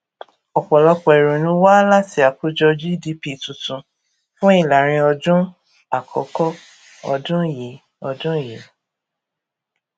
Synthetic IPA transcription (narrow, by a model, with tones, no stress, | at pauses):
ɔ˨k͡pɔ˨lɔ˧k͡pɔ˨ɛ˨ɾõ˨nũ˧˦wa˦la˦ti˨˦a˨ku˦d͡ʒɔ˧d͡ʒi˦˨di˧pi˦˨tũ˨tũ˨ | fũ˦i˦˨la˨ɾ̃ĩ˧ɔ˧d͡ʒũ˦ | a˨kʰɔ̰˨˦kɔ˦ | ɔ̰˧dũ˦˨ji˨˦ | ɔ˧dũ˦˨ji˨˦